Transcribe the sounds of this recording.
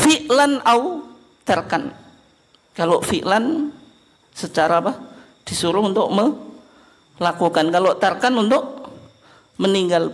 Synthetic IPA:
fiʔlanau | t̪ərkan | kalofiʔlan | sət͡ʃaɾabah | d̥isuɾʊhunt̪ʊk̚mə | lakukankalot̪ərkanunt̪ʊk̚ | məniŋɡal

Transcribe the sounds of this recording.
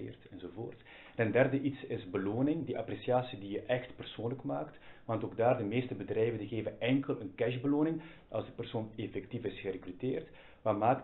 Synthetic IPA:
ḛːrtɛnzovo̰ːrt | tɛndɛrdəʔitsɪzbəloːnɪŋdiʔapresiaːsidijəʔɛxtpərsoːnləkmaːktʋɑntoːɡ̚daːrdəmeːstəbədrɛjvəndəɣeːvəɛŋkəlˠənkɛʒbəloːnɪŋ | ʔɑ̰lˠzdəpərsoːnefɛk̚tifɪsxərekryteːrt | ʋamaːk

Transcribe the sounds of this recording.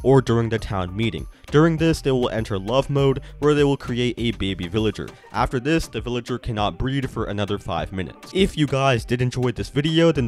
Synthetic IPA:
ʔə˞dʊɹɪ̃ŋðɨtʰãʊ̃nmiɾɪ̰̃ŋd̥ʊɹɪ̃ŋðɪsðeɪwɪlˠʔɛ̰̃ntʰə˞lʌvmoʊd̚wə˞ðeɪwɪlˠkʰɹ̥ieɪɾʔɨbeɪbivɪlˠɨd͡ʒə̰˞ | ʔæ̰ftə˞ðɪsðɨvɪlˠɨd͡ʒə˞kʰænɑt̚b̥ɹid̥fə˞ʔɨ̰nʌðə˞fa̰ɪvmɪ̃nɨ̰tsɪfjɨɡaɪzdɨɾɨ̃nd͡ʒɔɪðɪsv̥ɪɾioʊðɨ̃n

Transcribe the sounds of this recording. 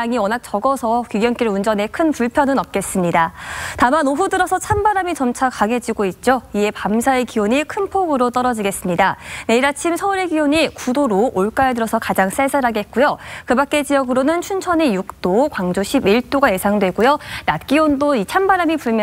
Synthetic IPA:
aŋiwʌnak̚t͡ɕʌɡʌsʰʌkiɡjʌnk͈iɾund͡ʑʌne̞kʰɯnpuɭpʰjʌnɯnʌp̚k͈e̞s͈ɯmɲidatamanoɸudɯɾʌsʰʌt͡ɕʰambaɾamit͡ɕʌmt͡ɕʰakaŋe̞d͡ʑiɡoit̚t͡ɕ͈oie̞pamsʰae̞kioɲikʰɯnpʰoɡɯɾot͈ʌɾʌd͡ʑiɡe̞s͈ɯmɲidane̞iɾat͡ɕʰimsʰʌuɾe̞ɡioɲikudoɾoʔoɭk͈aedɯɾʌsʰʌkad͡ʑaŋs͈aɭsʰaɾɦaɡe̞t̚k͈ujokɯbak̚k͈e̞d͡ʑijʌɡɯɾonɯnt͡ɕʰunt͡ɕʰʌnejuk̚t͈okwaŋd͡ʑoɕʰibiɭt͈oɡaje̞sʰaŋdwe̞ɡujonat̚k͈iondoit͡ɕʰambaɾamipuɭmj

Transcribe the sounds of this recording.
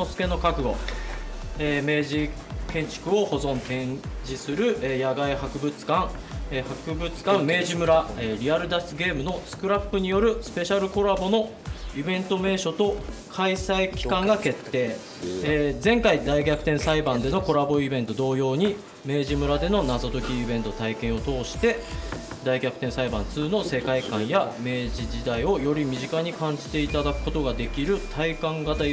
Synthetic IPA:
osɨ̥ke̞no̞kakɯ̟ɡo̞̰ | eːme̞ːʑikẽ̞ɲ̟t͡ɕi̥kɯ̟o̞ho̞zõ̞nt̪ẽ̞ɲd͡ʑisɨɾɯ̟ʔejaɡaihakɯ̟bɯ̟t͡sɨ̥kãŋehakɯ̟bɯ̟t͡sɨ̥kãmːe̞ːʑimɯ̟ɾaeɾʲiaɾɯ̟d̪asɨɡe̞ːmɯ̟no̞sɨ̥kɯ̟ɾapːɯ̟ɲ̟ijo̞ɾɯ̟sɨ̥pe̞ɕaɾɯ̟ko̞ɾabo̞no̞ | ibẽ̞nt̪o̞me̞ːɕo̞t̪o̞kʰaisaikʲi̥kãŋɡake̞t̪ːe̞ː | d͡zẽ̞ŋkaid̪aiɡʲakɯ̟̥t̪ẽ̞ɰ̃saibãnd̪e̞no̞ko̞ɾabo̞ibẽ̞nt̪o̞d̪o̞ːjo̞ːɲ̟i | me̞ːʑimɯ̟ɾad̪e̞no̞nazo̞t̪o̞kʲiːbẽ̞nt̪o̞t̪aikẽ̞ɰ̃o̞t̪o̞ːɕi̥t̪e̞ | d̪aiɡʲakɯ̟t̪ẽsaibã̰nt͡sɨːno̞se̞kaikãɰ̃jame̞ːʑiʑid̪aio̞jo̞ɾʲimʲiʑikaɲ̟ikãɲ̟d͡ʑi̥t̪e̞it̪ad̪akɯ̟ko̞t̪o̞ɡad̪e̞kʲiɾɯ̟t̪ʰaikãŋɡat̪a

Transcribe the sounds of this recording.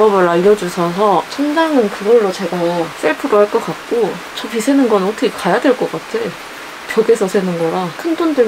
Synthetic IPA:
ʌbɯɾaʎːʌd͡ʑusʰʌsʰʌt͡ɕʰʌnd͡ʑaŋɯnkɯɡʌɭːot͡ɕe̞ɡas͈ʰeɭpʰɯɾohaɭk͈ʌk͈at̚k͈o | t͡ɕʌpʰisʰenɯnɡʌnɯnotʰʌkʰekajadweɭk͈ʌk͈atʰe | pjʌɡesʰʌsʰenɯnɡʌɾakʰɯndondɯɭ

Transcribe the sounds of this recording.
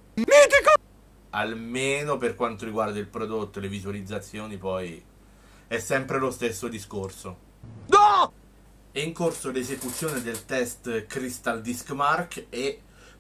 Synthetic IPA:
mit̪iko | almeːnoperkwant̪oɾiɡward̪ailpɾod̪ot̪ːolevizualid̪zːat̪sːjoːnipɔj | ɛsːɛmpɾelost̪esːod̪iskorso | d̪ɔ | ɛiŋkorsolezekut̪sːjoːned̪elt̪ɛst̪kɾist̪ald̪iskmarke

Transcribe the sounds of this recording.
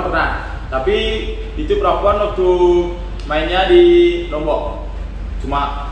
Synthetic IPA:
pərnan | t̪api | it̪upɾapuanːɔt̪u | mainadilɔmbɔʔ | t͡ʃuma

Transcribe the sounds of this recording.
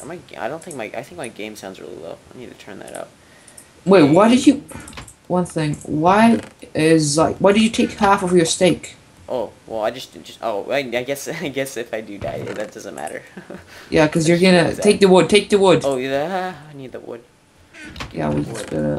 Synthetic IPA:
maɪɡaɪdõʊ̃nθɪ̃ŋk̚maɪʔaɪθɪ̃ŋk̚maɪɡẽɪ̃msãʊ̃nzɹɪ̰lˠḭlo̰lʊaɪnid̚tʰɨtʰɜ̃˞nðæ̰ɾa̰ʊt̚ | wɛwaɪdɨd͡ʒɨ | wʌ̃nθɪ̃ŋwaɪɪzlaɪkwaɪdɨd͡ʒɨtʰeɪkhæfʌvjə˞steɪk | ʔoʊwʔɛ̰lˠaɪd͡ʒʌsʌʔo̰ʊa̰ɪaɪɡɛsaɪɡɛsɨfaɪdɨda̰ɪ̰ðɨt̚d̥ʌz̃nmæ̰ɾə̰˞jʔækʰʌzjə˞ɡʌnɨ̰tʰeɪk̚ðɨwʊd̚tʰeɪk̚ðɨwʊd̥̚oʊaɪnid̪̚ðɨ̰ʔ̚wʊ̰d̥̚ | jæ̰ɪwḭd͡ʒʌsbɛ̰ɾə̰

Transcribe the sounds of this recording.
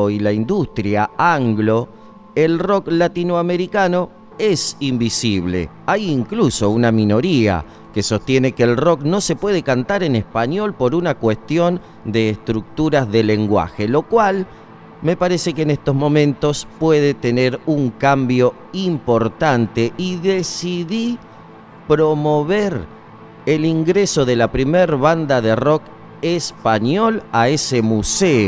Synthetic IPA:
oilaind̪ust̪ɾjaaŋɡlo̞ | elro̞klat̪inoame̞ɾikano̞ | e̞simbisiβ̞lḛ | ajiŋkluso̞unamino̞ɾia̰ | keso̞st̪je̞ne̞keːlro̞kno̞se̞pwe̞ð̞ekant̪aɾenespaɲo̞lpo̞ɾunakwe̞st̪jo̞n | d̪e̞ːst̪ɾuk̚t̪uɾazðe̞leŋɡwa̰xe̞lo̞kwal | me̞paɾesekeːnest̪o̞zmõ̞mẽnt̪o̞spweðet̪e̞neɾuŋkambjo̞ | impo̞ɾt̪ant̪e̞ʔiðesiði | pɾo̞mo̞βeɾ | eliŋɡɾeso̞ðe̞lapɾimeɾβand̪aðero̞k | espaɲolaesemuseo

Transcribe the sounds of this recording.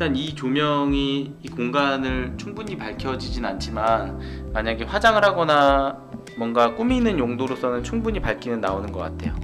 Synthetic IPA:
it͈anit͡ɕomjʌŋiː | koŋɡanɯɭt͡ɕʰuŋbuɲipaɭkʰjʌd͡ʑid͡ʑinnant͡ɕʰimanmaɲaɡeɸwad͡ʑaŋɯɾɦaɡʌna | mwʌnɡak͈uminɯnjoŋdoɾos͈ʰʌnɯnt͡ɕʰuŋbuɲipaɭkʰinɯnːaonɯnɡʌk͈atʰe̞̰jo̰

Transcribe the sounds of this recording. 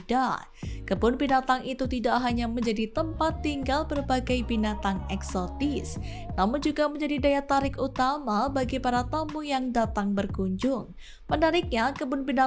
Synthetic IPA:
da | kəbʊnbinat̪aŋit̪ut̪idaʔɦaɲaməɲd͡ʒadit̪əmpat̪ːiŋɡalbərbaɡajbinat̪aŋɛksɔt̪ɪs | namʊnd͡ʒuɡaməɲd͡ʒadidajat̪aɾɪkut̪amabaɡipaɾat̪amujaŋdat̪aŋbərkuɲd͡ʒʊŋ | mənaɾɪk̚ɲakəbʊnbina

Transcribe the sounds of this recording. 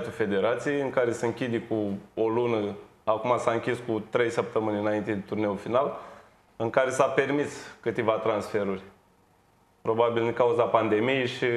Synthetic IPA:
t̪ufe̞d̪e̞ɾat̪sijejɨŋkaɾe̞səɨŋkʲid̪ekuolunəakumasaɨŋkʲiskut̪ɾe̞jsəp̚t̪əmɨnʲɨnaint̪e̞d̪et̪urne̞ulfinal | ɨŋkaɾe̞sape̞rmiskɨt̪e̞vat̪ɾansfe̞ɾurʲ | pɾo̞babild̪iŋkauzapand̪e̞mijeʃi

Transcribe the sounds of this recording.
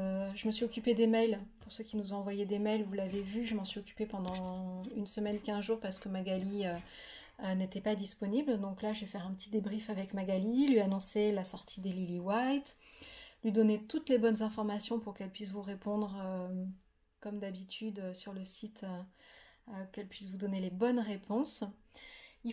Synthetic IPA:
ʒəməsɥiɔkʲyped̪emɛjlpuʁsøkʲinuzɔ̃ɑ̃vwajed̪emɛjlvulavevyʒəmɑ̃sɥiɔkʲy̥pepɑ̃d̪ɑ̃ynsəmɛnkʲɛ̃zʒuʁpaʁsə̥kəmaɡaliø | ønet̪ɛpad̪ispɔnibld̪ɔ̃klaʒefɛʁɛ̃pət̪ʰid̪ebʁifavɛkmaɡalilɥianɔ̃selasɔʁt̪ʰid̪eliliwajt̪lɥid̪ɔnet̪ut̪lebɔnzɛ̃fɔʁmasjɔ̃puʁkɛlpɥis̬vuʁepɔ̃d̪ʁø | kɔmd̪abit̪ʰyd̪øsyʁləsit̪ʰø | økɛlpɥisvud̪ɔnelebɔnʁepʰɔ̃s | i

